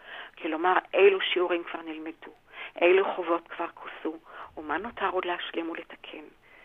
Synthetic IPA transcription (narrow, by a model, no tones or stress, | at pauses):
kʰilo̞maʁʔejluʃiuʁimkv̥aʁnilmedu | ʔejluχovo̞tkv̥aʁkʰu̥suːmanotʰaʁo̞dlehaʃlimuletḁkʰe̞n